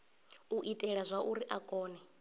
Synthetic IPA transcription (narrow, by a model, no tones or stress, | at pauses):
uʔitʼɛɺazʷaʔuɾiʔakʼɔːnɛ